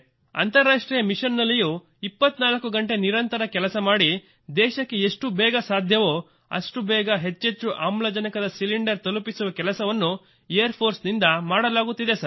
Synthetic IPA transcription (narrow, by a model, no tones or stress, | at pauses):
ɐ̰nt̪ɐɾːaːʂʈɾiːjɐmiʃɐnːɐlːijuː | ipːɐt̪ːnaːlɐkːuɡɐɳʈe̞niɾɐnt̪ɐɾɐkɛlɐsɐmaːɽi | d̪ɛːʃɐkːeeʂʈubɛːɡɐsaːd̪ʱjɐʋoː | ɐ̰ʂʈubɛːɡɐɦe̞t͡ʃːet͡ʃːuʔaːmlɐd͡ʒɐnɐkɐd̪ɐsiliɳɖɐɾt̪ɐlupisuʋɐkɛlɐsɐʋɐnːu | ejɐɾpʰo̞ːɾsnind̪ɐmaːɽɐlaːɡut̪ːid̪esɐɾ